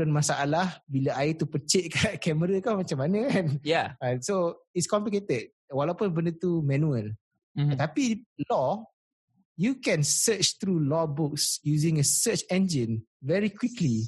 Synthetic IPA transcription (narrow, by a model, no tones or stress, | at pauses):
ənmasaʔalahbilaait̪upət͡ʃeʔ̚kaʔkɛməɾakawmat͡ʃamːanə̃kanjaasoitskɔmpliket̪əd̚ | walaupʊnbəndət̪umɛ̃nũəl | t̪apilɔ | jukɛ̃nsət͡ʃt̪ɾulɔbʊksjuzɪ̃ŋəsət͡ʃɛ̃nd͡ʒə̃n | vɛɹikwikli